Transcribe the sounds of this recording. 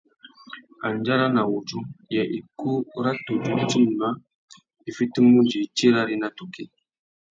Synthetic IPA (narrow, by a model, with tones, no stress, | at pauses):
a˨nd͡ʒa˦ɾa˦na˨wu˨t͡ʃu˦ja˨ʔi˨ku˦ɾa˦tu˨d͡ʒu˦t͡ʃi˦m˨na˦ | i˨fi˦ti˦mu˦nd͡ʒi˨˦˨t͡ʃi˦ɾa˦ɾi˦na˦tu˨ke˦